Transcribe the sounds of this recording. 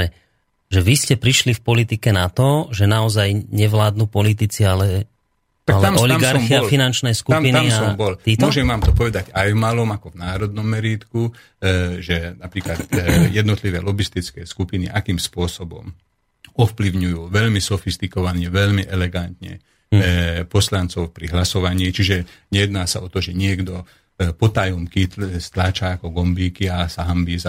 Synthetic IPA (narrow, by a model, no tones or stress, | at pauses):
ɛ | ʒɛʋiscɛpɾiʃlifpɔlit̪ikɛnat̪ɔʒɛnaɔzajɲɛʋlaːd̪̚nuːpɔlit̪̬it͡sialɛ | t̪aalɛamɔliamɡaɾɾfalfinant͡ʃnɛjskuampinaiabɔlitmʊɔʒɛmːaːmt̪ɔpɔʋɛd̪aɟajvmalɔmakɔvnaːɾɔd̪̚nɔmːɛɾiːt̪ku | ʒɛnapɾiːklat̪jɛd̪nɔt̪liʋɛ̰ːlɔbist̪it͡skɛːskupinḭʔakiːmspʊɔsɔbɔ̰m | ɔfpliʊɲujuːʋɛʎmisɔfist̪ikɔʋanɛʋɛʎmiʔɛlɛɡant̪ɲɛ̰ | pɔslant͡sɔʊpɾiɦlasɔʋaɲiːt͡ʃiʒɛɲɛjɛd̪naːsaɔt̪ɔʒɛɲɪɛɡd̪ɔ | pɔt̪ajɔmkist̪laːt͡ʃaːkɔɡɔmbiːkiasaɦambiːza